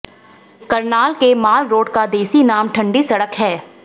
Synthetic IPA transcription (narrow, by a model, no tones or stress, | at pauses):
kɐɾnaːlkemaːlɾoːɖkad̪eːsinaːmʈʰɐ̃ɳɖisɐɽəkɦɛː